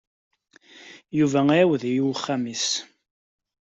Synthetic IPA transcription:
juvææwðjuwχːamis

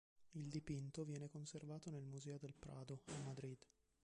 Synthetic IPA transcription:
ild̪ipint̪ovjɛːnekonservaːt̪onelmuzɛːod̪elpɾʔaːd̪oamːad̪ɾid̪

